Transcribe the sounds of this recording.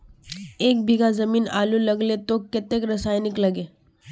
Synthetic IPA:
eːk̚bʱiɡazɐmiːnaːlulɐɡlet̪okɪt̪ekɾɐsaːjnɪkləɡeː

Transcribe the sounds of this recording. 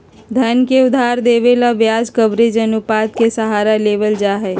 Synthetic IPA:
d̪ʱənkeʊd̪ʱaːɾd̪eːʋelaʋjaːd͡ʒkəbɾed͡ʒənʊpaːt̪̚kesəɦaːɾaleːʋəld͡ʒaːɦɛː

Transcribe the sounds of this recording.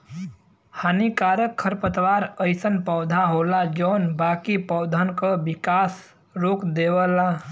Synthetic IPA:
hanikaːɾjəkʰːəɾpət̪ʋaːɾəɪsənpɔːd̪ʱaɦolad͡ʒɔːnbaːkipɔːd̪ʱankəbɪkaːs | ɾoːkd̪eːwəla

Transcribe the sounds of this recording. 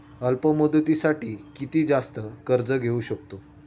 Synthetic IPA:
əlpəməd̪ət̪isaʈiːkit̪iːd͡zast̪əkəɾd͡zəɡʱeuɕəkt̪o

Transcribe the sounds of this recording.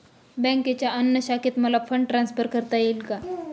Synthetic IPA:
bɛ̃ŋket͡ɕjaʔənːəɕaket̪məlafʰəɳɖʈɾãnspʰəɾkəɾt̪ajelka

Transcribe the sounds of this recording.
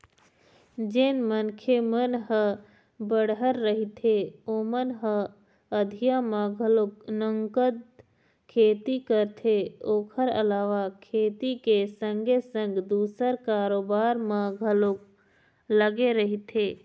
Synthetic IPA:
d͡ʒenmənkʰemənɦə | bəɽɦəɾːəɦit̪ʰeoːmənɦə | əd̪ʱijamaɡʱəloknəŋkəd̪ | kʰeːt̪ikəɾt̪ʰeoːkʰəɾə̰laːʋakʰeːt̪ikesə̃ŋɡʱesə̃ŋɡd̪uːsəɾkaːɾoːbaːɾmə̃ɡʱəlok | ləɡeɾəɦit̪ʰe

